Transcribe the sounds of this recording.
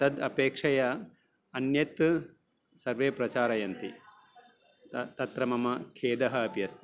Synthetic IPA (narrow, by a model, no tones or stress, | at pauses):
t̪ɐd̪ɐpeːkʂɐjɐ | ɐnjɐt̪ | sɐɾʋeːpɾɐt͡ʃaːɾɐjɐnt̪i | t̪ɐt̪ɾɐmɐmɐkʰeːd̪ɐɦɐːpjɐst̪i